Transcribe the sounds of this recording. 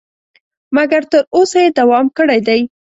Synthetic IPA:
maɡaɾt̪əɾosajed̪awɑmkəɽajd̪aj

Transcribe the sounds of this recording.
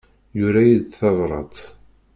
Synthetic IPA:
jʊɾæjid̪θɑðˤɾˤɑ̰t̪ˤ

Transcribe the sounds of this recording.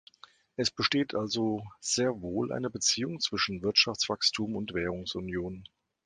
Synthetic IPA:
ʔɛsb̥əʃteːtʰʔalzoz̥eːɐvoːlʔa̰ɪnəbət͡siːʊŋt͡sv̥ɪʃn̩vɪɐtʃaft͡sv̥akstʰuːmʊntv̥ɛːʁ̞ʊŋsʊnjoːn

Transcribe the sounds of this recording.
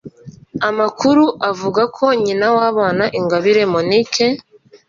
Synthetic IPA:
amakuɾuʔavuɡakʰo̞ɲinawaːβaːnaʔiŋɡaβiɾe̞monikʰe

